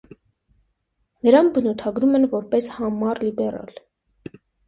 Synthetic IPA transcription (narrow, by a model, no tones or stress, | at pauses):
nəɾɑnbənut̪ʰɑɡɾumɛnvɔɾpɛshɑmɑɾlibɛɾɑ̰l